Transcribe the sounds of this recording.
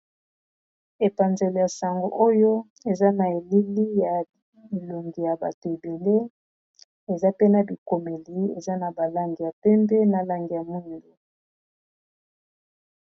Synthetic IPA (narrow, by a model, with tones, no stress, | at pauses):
e˨pa˨nze˨le˨ja˨sa˨ŋɡo˨ʔo˦jo˦ | e˨za˦na˨e˨li˦li˦ja˨ | bi˨lo˨ŋɡi˨ja˨ba̰˨to˨e˨be˨le˦ | e˨za˦pe˦na˨bi˨ko˨me˨li˨˦ḛ˨za˦na˨ba˨la˦ŋɡi˨ja˨pɛ˦mbɛ˦na˨la˦ŋɡi˨ja˨mu˦ndo˨